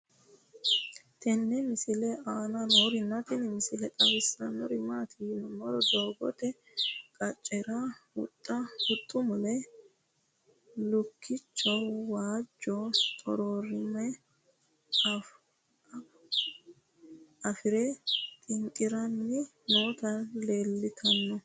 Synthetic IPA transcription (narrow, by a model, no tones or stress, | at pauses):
t̪ʰɛnːɛmɪsɪlɛaːnɐnoːɾɪnːɐt̪ɪnɪmɪsɪlɛkʼɐwɪsɐnːɔɾɪmaːt̪ʰɪnɔmɔɾɔd̪oːɡɔt̪ɛ | kʼɐt͡ʃʼːɛɾahʊ̰t̪ʼːɐhʊt̪ʼːʊmɔlɛ | lʊkʰːɪt͡ʃːɔwwaːd͡ʒːɔt̪ʼɔɾoːɾɪmɛ | ɐfɪɾɛt̪ʼɪŋkʼɪɾɐnːɪ | noːt̪ɐle̞ːlːɪt̪ʰɐnːɔ